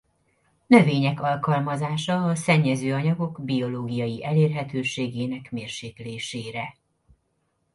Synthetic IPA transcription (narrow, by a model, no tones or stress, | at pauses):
nø̞veːɲɛkɒlkɒlmɒzaːʃɒɒsɛɲːɛzøːɒɲɒɡo̞ɡbio̞loːɡijɒjiʔɛleːrɦɛt̪øːʃeːɡeːnɛkmeːrʃeːkleːʃeːɾɛ